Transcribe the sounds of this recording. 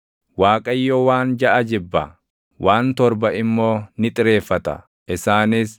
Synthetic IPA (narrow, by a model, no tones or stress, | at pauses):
waːkʼɐjːowaːnd͡ʒɐʔɐd͡ʒɪbːɐ̰ | wʔaːnt̪ɔɾbɐʔɪmːo̞ːnɪt̪ʼɪɾe̞ːfːɐt̪ɐ̰ | ʔɪsaːnɪs